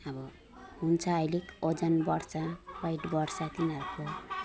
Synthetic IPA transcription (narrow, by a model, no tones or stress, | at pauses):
ʌbʌ | ɦunt͡sʰʌːjlekod͡zʌnbʌrt͡sʰawajʈbʌrt͡sat̪inʌɾuko